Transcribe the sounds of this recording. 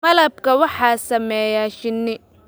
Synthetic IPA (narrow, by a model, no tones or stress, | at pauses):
mɐlɐb̚kʰɐwɑħɑːsɐmɛːjaːʃɪnːɪ